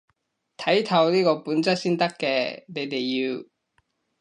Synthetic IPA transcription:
t̪ʰɐ˨˥jt̪ʰɐ˨˧wniː˥kɔː˧puː˨˥nt͡sɐ˥k̚siː˥nt̪ɐ˥kːɛː˧ne˨˧jt̪e˨jjiː˧w

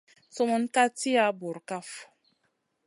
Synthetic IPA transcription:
tɔ˦mɔ˦n˦ka˦ti˦a˨˦bo˨ɾka˦f

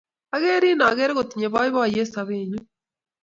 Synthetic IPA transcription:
aɣe˦ɾi˦na˨ɣɛ˦ɾe˦ɣo˨t̪iɲe˨βa˦jβa˦˨je˦saβeɲu˦

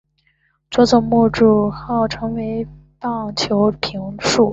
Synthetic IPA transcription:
t͡swɔ˧˥t͡sɔ˨˩ŋmu˥˧ʈ͡ʂu˥˩xɑ˥˩ʊʈ͡ʂʰɤ˧˥ŋwe˧˥ɪ | pɑ˥˩ŋt͡ɕʰjo˧˥ʊpʰi˧˥ŋʂu˥˩

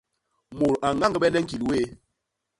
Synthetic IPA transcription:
mo˨ɾa˨ŋa˦ŋɡə˦ɓɛ˦nɛ˦ŋ̩˦ki˨lweː˦

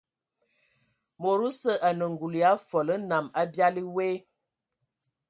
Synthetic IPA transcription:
mo˨ɾu˦sə˦ʔa˨nə˨ŋ˨ɡu˨li˨a˨˦fɔ˨lə˦na˨ma˦bja˦li˦we˦

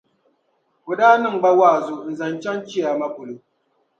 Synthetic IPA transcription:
bo˨daː˦nɨ˦˨ŋ͡m̩˨ɡ͡ba˦waː˦˨zʊ˦˨n̩˨za˨nt͡ʃa˦nt͡ʃi˦ja˨ma˦bʊ˨lu˨

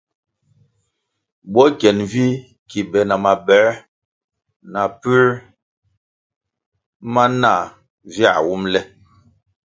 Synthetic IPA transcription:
ɓɔ˦kɛ˨nvi˦ | ki˨bɛ˨na˨ma˨bɛ˨˦ | na˨pʉ˦ɾ | ma˦na˦˨ | vja̰˦˨wu˦mlɛ˦

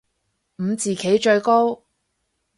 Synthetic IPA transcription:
m̩˨˧t͡siː˨˩kʰe˨˥jt͡ʃɵ˧ɥko˥w

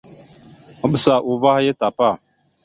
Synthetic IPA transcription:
ə˦ɓə˨sa˨ʔu˨va˦hje˦ta˨pa˦˨

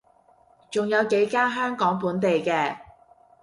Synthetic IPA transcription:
t͡sʊ˨ŋjɐ˨˧wke˨˥jkaː˥nɦœː˥ŋkɔː˨˥ŋpuː˨˥nt̪e˨jkɛː˧

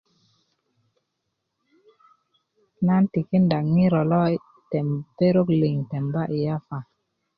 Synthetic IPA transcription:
na˦nti˨ki˦nda˨kŋi˦ɾo˨lɔ˦i˦ | tɛ˨mpe˦ɾo˦kli˨ŋte˨mba˦ʔi˨ja˦fa˨

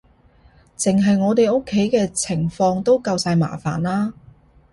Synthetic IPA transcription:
t͡sɪ˨ŋɦɐ˨jŋɔː˨˧t̪e˨jo˥kʰːe˨˥jkɛː˧t͡sʰɪ˨˩ŋfɔː˧ŋt̪o˥wkɐ˧wsaː˧jma̰ː˨˩fa̰ː˨˩nlaː˥

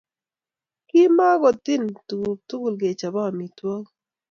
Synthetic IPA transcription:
kɪ˦ma˦ɡɔ˨t̪ɪ˦nttu˦ɡu˨lɡe˨t͡ʃa˨ba˦˨mi˨twɔ˦k

